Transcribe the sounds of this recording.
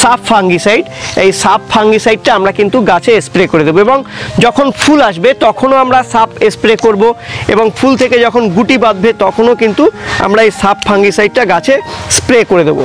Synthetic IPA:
sapfaŋɡisajɖejsapfʰaŋɡisajɖ̚ʈaamɾakint̪uɡat͡ɕʰespɾekoɾed̪eboeboŋd͡ʑɔkʰonfʰulaʃbet̪ɔkʰonoamɾasapespɾekoɾboḛboŋfult̪ʰeked͡ʑɔkʰonɡuʈibad̪̚bet̪ɔkʰonokint̪ua̰mɾaejsapfʰaŋɡisajɖ̚ʈaɡat͡ɕʰespɾekoɾed̪ebo̰

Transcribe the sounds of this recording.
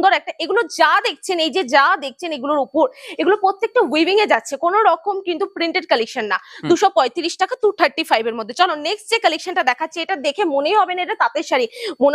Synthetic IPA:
d̪oɾɛk̚ʈaʔeɡulod͡ʑad̪ek̚ʰt͡ɕʰenejd͡ʑed͡ʑad̪ek̚ʰt͡ɕʰeneɡuloɾupoɾeɡulopɾot̪ːek̚ʈawibiŋed͡ʑatːɕʰekonoɾɔkomkint̪upɾiɳʈeɖ̚kəlekʃanːa̰d̪uʃɔpɔet̪iɾiʃʈakat̪ut̪ʰaɾʈifajbeɾmod̪ʱːet͡ɕɔnoneksʈd͡ʑekəlekʃanʈad̪ɛkʰatːɕʰeeʈad̪ekʰemonejɦɔbeneʈat̪at̪eɾʃaɾimon

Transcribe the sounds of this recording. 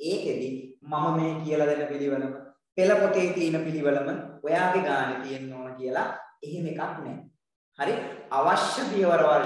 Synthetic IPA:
eːked̪imɐmɐmeːkijəlɐd̪enəpiliʋɐləmə | pelɐpot̪eːt̪iːnəpiliʋɐlɐmənojaːd̪eɡaːnet̪ijenːoːnkijəlɐeɦemekaknɛ | haɾiaʋɐʃjɐbijɐʋɐɾɐʋa

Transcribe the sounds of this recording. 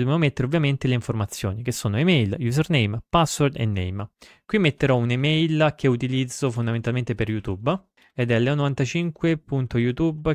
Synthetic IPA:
d̪obemomet̪ːeɾeovːjament̪eleiɱformat̪sːjo̰ːnik̟esːoːnoemɛjljus̬ernejmpasword̪ḛnːḛjm | kwimːet̪ːeɾɔunemɛjlkʰeut̪ilid̪zːofond̪ament̪alment̪eperjut̪ub | ɛd̪ɛlːɛonovant̪at͡ʃiŋkwepunt̪ojut̪ub

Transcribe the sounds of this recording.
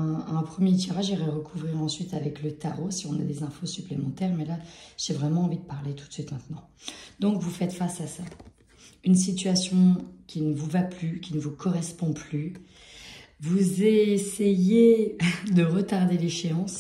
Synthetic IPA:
ɛ̃ɛ̃pχəmjet̪̬iʁaʒiʁɛʁəkʰuvʁiʁɑ̃sɥit̪avɛklət̪aʁosiɔ̃nad̪ezɛ̃fosyplemɑ̃t̪ɛʁmɛlaʒ̥evʁɛmɑ̃ːvid̪əpaʁlet̪ʰu̥t̪sɥit̪mɛ̃t̪nɑ̃ | d̪ɔ̃kvufɛt̪fasasa | ynsit̪ɥasjɔ̃kʲinəvuvaplykʲinəvukʰɔʁɛspɔ̃ply | vuzesejed̪əʁət̪aʁd̪eleʃeɑ̃s

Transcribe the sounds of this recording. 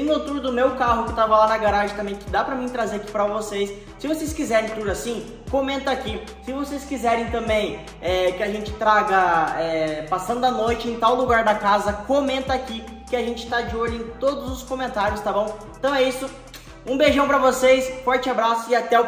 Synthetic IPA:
not̪uɾd̪ʊmewkaɦʊkewt̪avɐlanɐɡaɾaʒɐ̃t̪ɐ̃mbẽj̃kɪd̪apɾɐmĩt̪ɾazeɾaki̥pɾɐvosejsː | ɪvosejskizɛɾẽj̃p̪uɾasĩ | kõmẽnt̪ɐakisɪvosejskizɛɾẽj̃t̪ɐ̃mbẽj̃ | ɛkɪaʒẽnt͡ʃɪ̥t̪ɾaɡɐɛpasɐ̃nd̪ʊɐnojt͡ʃɪẽj̃t̪awluɡaɾd̪ɐkazɐkomẽnt̪ɐaːki | kɪaʒẽnt͡ʃɪ̥t̪ad͡ʒɪoʎʊẽj̃t̪od̪ʊzʊskõmẽnt̪aɾjʊst̪abõw̃ẽt̪ɐ̃w̃ɛisʊ | ũbeʒɐ̃w̃pɾɐvosejsfɔɾt͡ʃɪabɾasʊɪat̪ɛ

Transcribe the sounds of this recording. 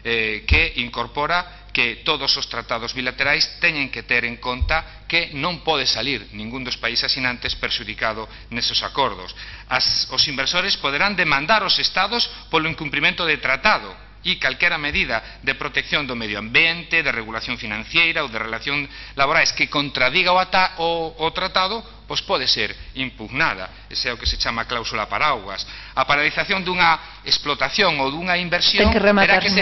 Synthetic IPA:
ɛkeiŋkoɾpɔɾa | ket̪oðosost̪ɾat̪að̞ozβilat̪eɾajst̪ɛɲeŋket̪eɾeŋkont̪a | kenõmpɔð̞esaliɾnĩŋɡund̪ospaisasinãnt̪espeɾʃuðikaðo | nesosakoɾðo̰sasosimbeɾsoɾespoð̞eɾand̪emãnd̪aɾosest̪aðospoloiŋkumplimẽnt̪oðet̪ɾat̪aðo | ikalkɛɾameðiða | ðepɾot̪ekθjond̪omeðjoambjent̪eðereɣulaθjõŋfinãnθjejɾaowðerelaθjoŋlaβoɾaeskekont̪ɾaðiɣaoːt̪ɾat̪aðʊ | pojspɔðeseɾimpuɣnaðɐ̰ | esɛokeset͡ʃamaklawsulapaɾawɣwa̰s | ɐpaɾaliθaθjond̪uŋɐ | esplot̪aθjoŋoðuŋaimbeɾsjoeŋeremeɾaɾkes

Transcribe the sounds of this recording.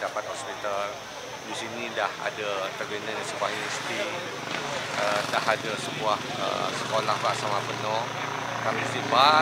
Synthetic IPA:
dapat̪̚ɦɔspit̪al | disinĩdaha̰dat̪ərbinãdasəbuahinist̪i | ədaɦadasəbuah | ə̰səkolahbaʔsamabənɔ̃ | kalaist̪iba

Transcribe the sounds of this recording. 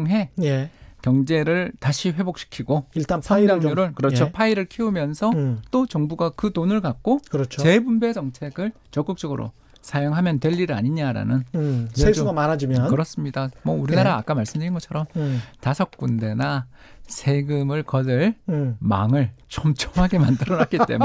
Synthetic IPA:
ŋɦe̞jekjʌŋd͡ʑe̞ɾɯɭtaɕʰiɸwe̞bok̚ɕ͈ʰi̥kʰiɡoiɭt͈ansʰaiɾaŋuɾɯɭkɯɾʌjt͡ɕʰopʰaiɾɯɭkʰeumjʌnsʰʌt͈ot͡ɕʌŋbuɡakɯtonɯɭkak̚k͈okɯɾʌt͡ɕʰot͡ɕe̞bumbe̞d͡ʑʌŋt͡ɕʰe̞ɡɯɭ | t͡ɕʌk͈ɯk̚t͡ɕ͈ʌɡɯɾʔo̰ | sʰajoŋɦamjʌntweʎːiɾɯa̰ɲiɲaɾa̰nɯneesd͡ʑuɡamanad͡ʑimjʌnkɯɾʌs͈ɯmɲidamʌuɾinaɾaːk͈amaɭs͈ɯmdɯɾinɡʌt͡ɕʰʌɾʌmtasʰʌk̚k͈unde̞nasʰe̞ɡɯmɯɭkʌdɯɭma̰ŋɯɭt͡ɕʰomt͡ɕʰomɦaɡe̞mandɯɾʌnak͈it͈e̞̰

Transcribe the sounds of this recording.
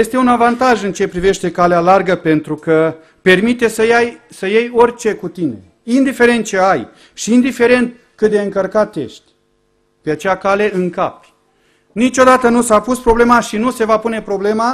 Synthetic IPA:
je̞st̪e̞unavant̪aʒɨnt͡ʃe̞pɾive̞ʃt̪e̞kalealarɡəpe̞nt̪ɾukə | pe̞rmit̪e̞səjajsəjejo̞rʲt͡ʃe̞kut̪ine̞̰ | ind̪ife̞ɾe̞nt̪̚t͡ʃe̞aj | ʃiːnd̪ife̞ɾe̞nt̪̚ | kɨt̪̚d̪eɨŋkərkat̪ːe̞̰ʃt̪ʲ | peat͡ʃejakale̞ʔɨŋkapʲ | nit͡ʃo̞d̪at̪ənusapuspɾo̞blemaʃinuse̞vapune̞pɾo̞ble̞ma

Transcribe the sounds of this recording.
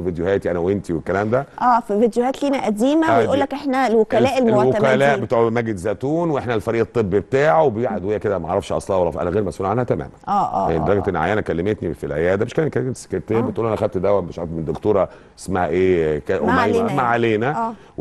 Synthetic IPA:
vid̪johæːt̪iʔænæwent̪iwekːælæːmd̪æʔæːfivid̪johæːt̪liːnæʔæd̪iːmæejʔuːlːækʔeħnælwokælæːʔelmlwoækælæːʔbet̪uːʕmæɡed̪zæːt̪uːnweʔeħnælfɑɾiːʔet̪ˤːebːibet̪aːʕwebejeʕad̪wejæked̪æmæʕɾˤːɑfʃʔɑ̰sˤlɑwɑlːˤɑfʔæ̰næɣeːɾmæsʔulʕanhæt̪æmæ̰ːmænʔæːʔːd̪ɑɾˤɑɡlʔenːʕa̰jæːnækælːemet̪nifilʕejæːd̪æmeʃkælækælse̥keɾt̪eːmbet̪ʔulːʔænæxæd̪̚t̪d̪æwæmmeʃʕmend̪okt̪oːɾˤɑ | e̥smæhæʔeːkæʔomːæmaʕaleːnææː

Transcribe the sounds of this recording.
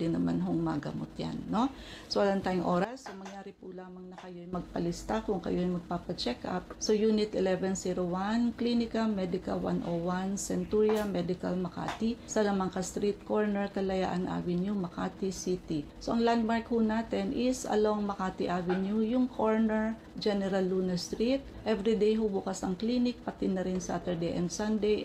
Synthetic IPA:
d̪ɪnːɐma̰nɦoŋmɐ̰ɡɐ̰mo̰t̪ja̰nːo̞ | sowɐlant̪aːjʊŋʔo̞ːɾɐsːomɐŋjaːɾɪpʊlaːmɐŋnɐkɐjoɐjmɐɡ̚pɐlɪst̪akʊŋkɐ̰joɐjmɐɡ̚paːpɐt͡ʃɛkʔa̰p̚so̞juːnɪt̪ʔɛlɛvɛnsiɾowanklinɪkɐmɛd̪ɪkɐ̰lwa̰nʔowansɛnt̪uɹjɐmɛd̪ɪkɐ̰lmɐka̰ːt̪ɪsɐlɐmɐŋkɐst̪ɾit̪̚koɹnɛɹkɐlɐja̰ːʔɐnʔa̰ːwɪnjʊmɐka̰ːt̪isit̪ɪsoʔɐŋland̪̚maɹkhunaːt̪ɛnʔɪsɐ̰lowŋmɐkaːt̪ɪʔaːvɪnjujʊŋkʰoɹnɛɹ | d͡ʒɛnɛɾalːunɐst̪ɾit̪̚ | ʔɛvɾid̪ejɦubuːkɐsɐŋklinɪk̚pɐt̪ɪnːɐɾɪnsɐʔat̪ɛɹd̪ejʔɛ̰nd̪sand̪ej

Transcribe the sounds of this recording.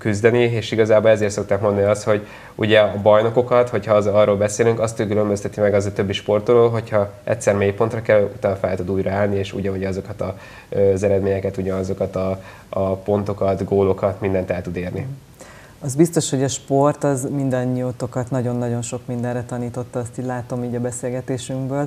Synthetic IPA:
kyzd̪ɛnieːʃiɡɒzaːbolɛzeːrt̪so̞k̚t̪aːkmond̪niɒst̪ho̞ɟ | ṵɟɛɒbɒjno̞ko̞kɒt̪ho̞chɒzɒrːoːlbɛseːlyŋkɒst̪økylø̞mbøst̪ɛt̪imɛɡɒzt̪ø̞bːiʃpo̞rt̪rɾoːlɦo̞chɒʔɛ̰t̪ʲsɛrmeːjpo̞nt̪rɒkɛlut̪aːnfɛlt̪ud̪uːjɾɒaːlnieːʃṵɟɒnuɟɛɒzo̞kɒt̪ɒ | øzɛɾɛd̪meːɲɛkɛt̪uɟɒnɒzo̞kɒt̪ɒ | ɒpo̞nt̪o̞kɒt̪ɡoːlo̞kɒt̪mind̪ɛnt̪ɛlt̪ud̪eːrni | ɒzbist̪o̞ʃho̞ɟɒʃpo̞rt̪ɒzmind̪ɒɲːiot̪o̞kɒt̪nɒɟo̞nːɒɟo̞nʃo̞kmind̪ɛnrɛt̪ɒniːt̪o̞t̪ːɒːst̪iːɟlaːt̪o̞miːɟɒbɛseːlɡɛt̪eːʃyŋkbøːl

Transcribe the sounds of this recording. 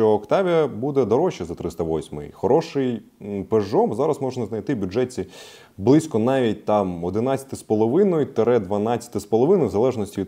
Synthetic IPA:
t͡ʃɔːkt̪ɑʋʲijɐbud̪ɛd̪ɔɾɔʃɛzɐt̪ɾɪst̪ɐʋɔsʲmɪ̰jxɔɾɔʃɪjpeʒɔmzɑɾɐsmɔʒnɐznɐjt̪ɪbʲʊʐɛtʲt͡sʲi | blˠɪsʲkɔnɑʋʲit̚ʲt̪ɑmɔd̪ɪnɑtʲɐ̥t̪ɪspɔlˠɔʋɪnɔjʊt̪eɾɛd̪ʋɐnɑt͡sʲːɐ̥t̪ɪspɔlˠɔʋɪnɔjʊwzɐlˠɛʒnɔsʲtʲiʋʲi

